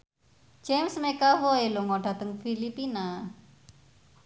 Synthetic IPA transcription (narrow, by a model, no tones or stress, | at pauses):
d͡ʒemsmekavoeluŋɔɖa̤t̪əŋfilipina